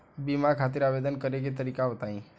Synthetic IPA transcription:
bimaɾkʰat̪̬ɪɾabed̪ənkəɾeɡet̪əɾikaɦot̪aĩ

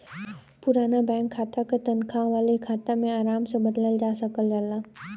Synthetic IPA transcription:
pʊɾaːnabɛ̃ːŋkʰːaːt̪akat̪ɐnkʰaʋaːlekʰaːt̪amẽaːɾaːmsebɐd̪ləld͡ʒaːsəkəld͡ʒalaː

